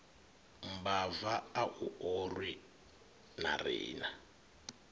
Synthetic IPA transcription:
m̩bavaːʔuɔrwi | na̰rḭːna

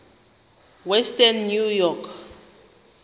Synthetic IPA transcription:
wɛstanːjujɔkʰ

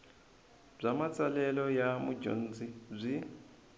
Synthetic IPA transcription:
b͡ʐʷamat͡sʼalɛlɔjamud͡ʒo̰n̩zib͡ʐʷi

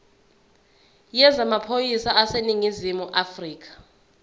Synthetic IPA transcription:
jɛzamapʰojisaaseniŋizimuʔafriːk̬ḁ

